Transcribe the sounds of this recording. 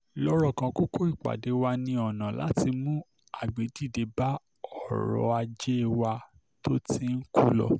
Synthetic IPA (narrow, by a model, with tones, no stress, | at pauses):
lɔ˦ɾɔ˦˨kã˧ku˦kʰo˦i˦˨k͡pa̰˨de˨˦wa˧nĩ˧ɔ˨nã˨la̰˨˦ti˧mũ˦ | a˨ɡ͡be˨˦di˦˨de˨˦ba˦ | ɔ˦˨ɾɔ̰˧˦a˧d͡ʒe˦˨wa˧ | to˦ti˧n̩˦ku˦lɔ̰˧